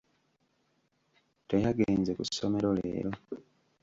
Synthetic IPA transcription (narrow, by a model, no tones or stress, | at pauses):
tejaɡeːnzekusːome̞ɾo̞lḛːɾo̞